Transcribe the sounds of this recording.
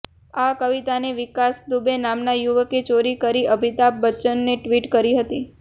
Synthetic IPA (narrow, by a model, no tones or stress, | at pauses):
akəʋit̪aneʋɪkasd̪ubenamnajuʋəket͡ʃoɾikəɾiʔəbʱit̪ap̚ːət͡ʃənːeʈʋiʈkəɾiɦət̪i